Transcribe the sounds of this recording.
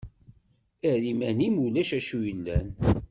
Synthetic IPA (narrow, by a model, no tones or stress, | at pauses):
æɾimænimulæʃæʃujəlːæ̰n